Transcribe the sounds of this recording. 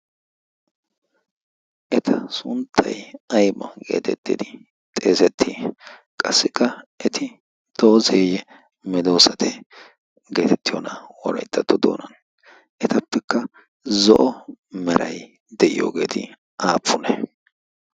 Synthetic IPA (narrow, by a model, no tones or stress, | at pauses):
ʔɛt̪ʰɐsʊnt̪ʰːɐjɐjmɐɡe̞̰ːt̪ɛt̪ːɪd̪ɪ | t̪ʼeːsɛt̪ʰːikʼɐsːɪkːɐʔɛt̪ʰɪ | d̪̥oʔɔzeːjɛ | mɛd̪o̞ːsɐt̪ʰɛ | ɡe̞ːt̪ɛt̪ːɪjo̰nɐwɔɾɐ̰jt̪ːɐt̪ːɔd̪oːnɐn | ʔɛt̪ɐpːɛkːɐ | zɔʔɔmɛɾɐ̰j | d̪ɛʔɪ̰jo̰ːɡe̞̰ːt̪ɪ̰ | ʔaːpːʊnɛ̰